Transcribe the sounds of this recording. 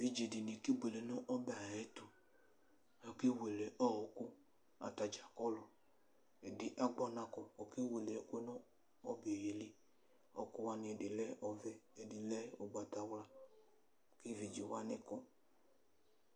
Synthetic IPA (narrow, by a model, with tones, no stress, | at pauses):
vi˨d͡ʒe˨di˨ni˨ki˦ɡ͡be˨le˨nɔ˦ʔɔ˦bɛ˨a˨ɛ˦tu˨ | ɔ˨ke˦we˨lɛ˨ʔɔ˦˨ɔ˨kʊ˦ | a̰˨ta˨d͡ʒa˨kɔ˦lɔ˨ | e˨dɪ˨ʔa˦ɡ͡bɔ˧na˧kɔ˨ɔ˨ke˦we˨le˨˦ke˦nɔ˦ | ɔ˦be˨ɾe˨li˦ | ɔ̰˨kʊ˦wa˦nɪ˨˧˨dɪ˨lɛ˦ʔɔ˨vɛ˦e˨di˨lɛ˦o˨ɡ͡ba˨ta˨wla˦˨ | ki˦vi˨d͡ʒi˨wa˦nɪ˦kɔ˦